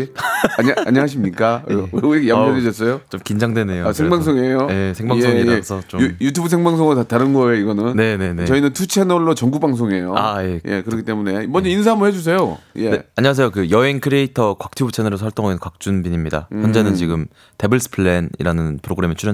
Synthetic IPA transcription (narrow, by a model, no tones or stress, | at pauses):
aɲaɲɦaɕ̬ʰimɲik͈auɾikjamjʌned͡ʑʌs͈ʌjot͡ɕomkind͡ʑaŋdwe̞nejoasʰeŋbaŋsʰoŋejoje̞sʰeŋbaŋsʰoiasʰʌt͡ɕoujutʰubɯsʰe̞ŋbaŋs̬ʰoŋtataɾɯnɡʌeiɡʌnɯnne̞ne̞net͡ɕʌinɯntʰut͡ɕʰenʌɭːot͡ɕʌŋɡubaŋs̬ʰoŋejoa̰je̞je̞̰kɯɾʌkʰit͈emune̞mʌɲd͡ʑʌins̬ʰaamɯɭhe̞d͡ʑus̬ʰe̞jojeeaɲwas̬ʰe̞jokɯjʌeŋkʰɯɾeitʰʌkwak̚tʰibut͡ɕʰenɯɾosʰʌaɭt͈oŋɦaɡinkwak̚t͡ɕ͈unbiɲimɲida̰jjʌnd͡ʑe̞nɯnt͡ɕiɡɯm | tebɯɭs͈ʰɯ̥pʰɯɭːenḭɾanɯnpʰɯɾoɡɯɾe̞met͡ɕʰuɾjʌ